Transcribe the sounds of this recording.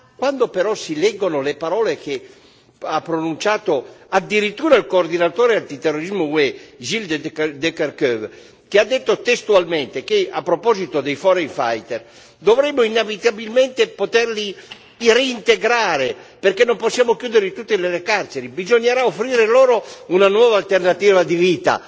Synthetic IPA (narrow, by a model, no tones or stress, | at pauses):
kwand̪opeɾɔsilɛɡːonolepaɾɔːlek̟e | apːɾonunt͡ʃaːt̪oad̪ːiɾit̪ːuːɾailkoːrd̪inat̪oːɾeant̪it̪erːoɾizmowɛʒild̪d̪ɛkɛrkøv | kead̪ːet̪ːot̪est̪ualment̪ekeapːɾopɔːzit̪od̪ejfɔɾeŋfa̰jt̪er | d̪ovɾɛmːoinavit̪abilment̪epot̪ɛɾli | reint̪eɡɾaːɾeperkenːomposːjaːmokjuːd̪eɾet̪ut̪ːelelekart͡ʃeɾibizoɲːaɾaofɾiːɾeloːɾounanwɔːvalt̪ernat̪iːvad̪iviːt̪a̰